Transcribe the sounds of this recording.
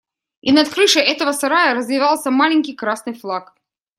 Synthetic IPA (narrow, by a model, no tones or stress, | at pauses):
inɐt̪kɾɨʂɨʔɛt̪əvəsɐɾajəɾəzvʲɪvalˠsʲəmalʲɪnʲkʲɪjkɾasnɨjflˠak